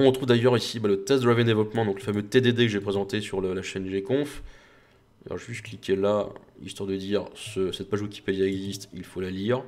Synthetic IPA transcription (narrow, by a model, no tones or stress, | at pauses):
ɔ̃ʁət̪χuvd̪ajœʁisibɛlət̪ɛsd̪ʁavɛ̃nd̪evlɔpmɑ̃d̪ɔ̃kləfamøt̪ed̪ed̪ekəʒepχezɑ̃t̪esyʁləlaʃɛnʒekɔ̃f | alɔ̰ʁʒʒyst̪̚klikʲʰelaḭst̪waʁd̪əd̪iːʁsəsɛt̪̚paʒwikʲi̥ped̪jaɛɡzist̪ilfolaliːʁ